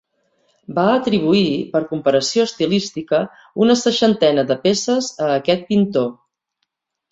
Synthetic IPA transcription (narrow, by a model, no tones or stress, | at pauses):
baət̪ɾiβ̞uipəɾkumpəɾəsioəst̪ilist̪ikə | unəsəʃənt̪ɛnəðəpesəzəːkɛt̪̚pint̪o